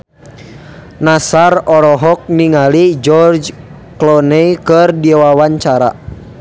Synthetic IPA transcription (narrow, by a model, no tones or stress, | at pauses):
nasarɔɾɔɦɔk̚niŋalid͡ʒɔrd͡ʒ | klɔnɛjkɨrdiwawaɲt͡ʃaɾa̰